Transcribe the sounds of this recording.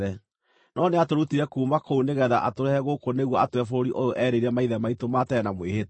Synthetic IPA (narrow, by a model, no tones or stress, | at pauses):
ɛ | nɔneatoɾutiɾɛkuːmakouneɣɛðaʔatoɾɛhɛɣokoneɣwɔatwɛfoɾoɾiʔojoʔɛɾeiɾɛmaiðɛmaitomatɛnamwehet